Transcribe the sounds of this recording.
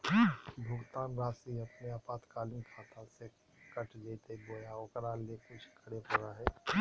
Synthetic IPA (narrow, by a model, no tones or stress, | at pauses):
bʱʊɡt̪aːnɾaːsiɐpneapaːt̪kaːlinkʰaːt̪ase | kəʈʰd͡ʒeːt̪eboːjaokəɾaːlekʊt͡ʃʰkʰəɽepʊɾaɦɛː